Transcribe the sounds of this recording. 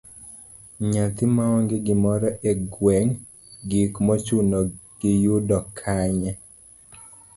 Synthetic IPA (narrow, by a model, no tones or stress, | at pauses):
ɲat̪ɪmaɔŋɡɪɡɪmɔɾɔʔeɡwɛŋ | ɡikmɔt͡ʃunɔ | ɡ̥ɪjudɔkʰaɲɛ